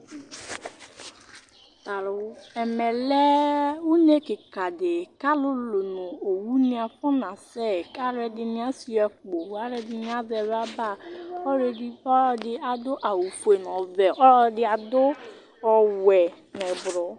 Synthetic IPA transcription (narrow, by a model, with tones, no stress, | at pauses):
ta˨lɛ˨mɛ˨lɛ˦wu˦ne˦kɪ˨ka˨dɪ˨ka˦lʊ˦lo˨nʊ˨o˨wu˦nĩ˦a˨fɔ˦nã˨sɛ˦˨ka˦ɾɛ˨dɪ˨nɪ̃˦a˦si˦ɛ˨k͡po˨wa˦ɾɛ˦dɪ˨nɪ˦a˦zɛ˨ɾa˦ba˦˨ɔ˦ɾe˨di˦ɔ˦dɪ˨a˨dʊ˦ʔa˨wu˨fu˨e˨n˨ɔ˨vɛ˨ʔɔ˦ɔ˦dɪ˦a˨dʊ˦ | ɔ˨wɛ˨ | nɛ˨bɾɔ˨